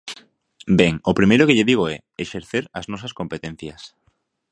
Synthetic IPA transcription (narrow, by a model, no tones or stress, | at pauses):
beŋopɾimejɾʊkeʎeðiɣ̞oɛ | eʃeɾθeɾɐznɔs̬ɐskompet̪en̟θjɐs